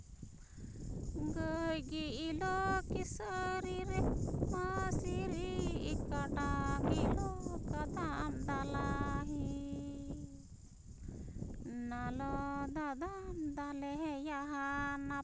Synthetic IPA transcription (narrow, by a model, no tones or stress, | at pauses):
ɡəjɡiilɔkisəɾiɾɛmasiɾiːkaʈaɡilɔkad̪aamd̪alaɦi | nalɔd̪ad̪amd̪alɛɦɛjaɦana